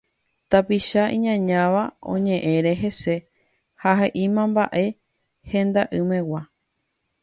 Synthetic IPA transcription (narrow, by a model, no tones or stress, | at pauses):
t̪apiʃaʔĩɲãɲãʋaõ̞̰ɲẽ̞ʔẽ̞ɾe̞ɦe̞se̞ | haɦeʔimãmba̰ʔe̞ | hẽ̞nd̪aʔɨmẽ̞wa